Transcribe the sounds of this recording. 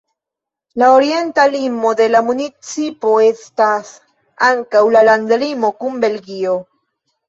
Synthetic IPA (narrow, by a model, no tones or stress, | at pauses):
laoɾie̞nt̪alimo̞d̪e̞lamunit͡sipo̞e̞stas | aŋkawlaland̪limo̞kumbe̞lɡio̞